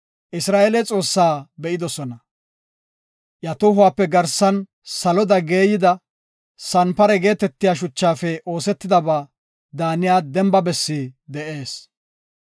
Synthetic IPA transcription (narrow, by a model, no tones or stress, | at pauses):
ʔɪsɾaːʔelɛt͡sʼo̞ːsːaːbɛʔɪd̪ɔsɔnɐ | ʔjɐt̪ʊɦʊwaːpːɛɡɐɾsɐn | sɐlɔd̪ɐɡe̞ːjɪd̪ɐ | sɐnpɐɾɛɡe̞ːt̪ɛt̪ːɪjaːʃ̬ʊt͡ʃːaːfɛʔo̞ːsɛt̪ːɪd̪ɐbaː | d̪aːnɪjaːd̪ɛmbɐbɛsːid̪ɛʔe̞ːs